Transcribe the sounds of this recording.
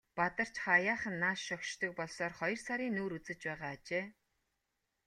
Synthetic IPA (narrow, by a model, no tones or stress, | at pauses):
pat̪ə̆r̥t͡ɕχajaːχə̆nːaːʃːɔkʃt̪ʰɞ̆k̚pɔɮsɔːrχɔjɞ̆rsaɾiːnuːɾut͡sɘ̆t͡ɕpæːʁaːt͡ɕeː